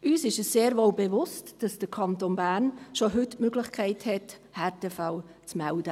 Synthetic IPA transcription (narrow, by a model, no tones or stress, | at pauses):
ʔyːsɪʃəsseːɾʋolbɛvʊstd̥ɑsd̥əɾkʰɑntoːnbæːɾnʃoɦʏtmøɡlɪχkʰɛɪthɛthɛɾteːfawt͡smɛld̥ə